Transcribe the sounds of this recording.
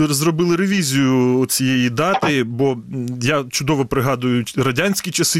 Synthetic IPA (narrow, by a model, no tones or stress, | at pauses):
zrɔbɪlˠɪɾeʋʲizʲijʊɔt͡sʲijejid̪ɑt̪ɪbɔjat͡ʃʊd̪ɔʋɔpɾɪɦɑd̪ʊjʊɾɐdʲanʲsʲkʲit͡ʃɐsɪ